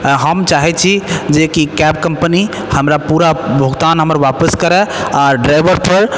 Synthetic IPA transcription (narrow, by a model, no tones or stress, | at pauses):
ɦəmt͡ʃaɦɛt͡ʃʰid͡ʒekikɛp̚kəmpəni | həmɾapuɾabʱəɡt̪anɦəməɾʋapəskəɾɛaɾɖɾajbəɾpʰəɾ